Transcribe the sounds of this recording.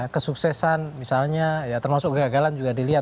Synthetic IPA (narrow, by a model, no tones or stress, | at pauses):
kəsuksɛsanmisalɲajat̪ərmasʊk̚ɡəɡaɡaland͡ʒuɡadiliat̪̚